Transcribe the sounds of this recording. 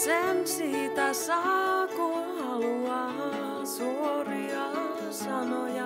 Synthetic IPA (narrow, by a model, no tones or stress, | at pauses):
sensiːt̪æsɑku | uɑ | suori | ɑ | sɑnojɑ